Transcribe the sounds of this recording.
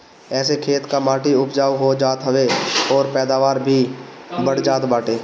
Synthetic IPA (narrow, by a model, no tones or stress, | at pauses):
ɛːsekʰeːt̪kamaːʈiʊpd͡ʒaːwɦod͡ʒaːt̪ɦəʋeɔːɾpɛːd̪aːʋaːɾbʱibəɽd͡ʒaːt̪baːʈeː